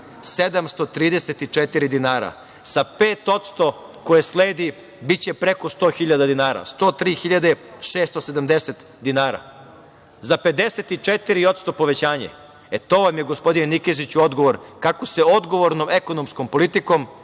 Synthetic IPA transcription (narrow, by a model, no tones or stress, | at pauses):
sed̪amst̪ot̪ɾiːd̪eset̪it͡ʂet̪iɾid̪inaːɾa̰ | sapeːt̪o̞t̪st̪o̞ko̞jesleːd̪i | bit͡ɕe̞pɾe̞ko̞st̪o̞ːxiʎad̪ad̪inaːɾa̰st̪o̞ːt̪ɾiːxiʎad̪eʃeːst̪ose̞d̪amd̪eset̪ | d̪inaːɾa̰ | zaped̪eset̪it͡ʂet̪iɾio̞t̪st̪o̞po̞ʋet͡ɕaːɲḛ | et̪o̞ːʋamjeɡospo̞d̪inenikezit͡ɕuo̞d̪ɡo̞ʋo̞ɾkakose̞o̞d̪ɡo̞ʋoɾnomekonomskompo̞lit̪ikom